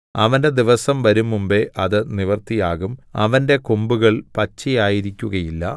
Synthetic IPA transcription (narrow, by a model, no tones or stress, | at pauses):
ɐʋɐnde̞d̪iʋɐsɐmʋɐɾumːumbeʔɐðɨniʋɐrt̪ijaːɣumɐʋɐnde̞kombuɣɐɭpɐt͡ɕːijaːjiɾikʲːuɣɐjilːɐ̰